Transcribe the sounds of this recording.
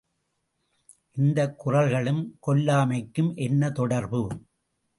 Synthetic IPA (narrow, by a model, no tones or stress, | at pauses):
ʔɪnd̪ɐkːʊrɐlɣɐɭɯmkɔlːaːmɐɪkːɯmʔɛnːɐt̪ɔɽɐɾbɯ